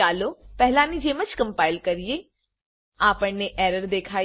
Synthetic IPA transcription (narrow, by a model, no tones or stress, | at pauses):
aːlopɛɦlãnid͡ʒeːmət͡ʃkə̃mpaːɪlkɐɾije | aːpəɳnːeʔɛːɾəɾd̪eːkʰaː